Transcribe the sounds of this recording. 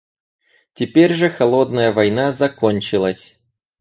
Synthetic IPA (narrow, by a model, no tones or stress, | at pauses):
tʲɪpʲeɾʲʐɨxɐlˠo̞d̪nəjəvɐjnazɐkonʲt͡ɕɪlˠəsʲ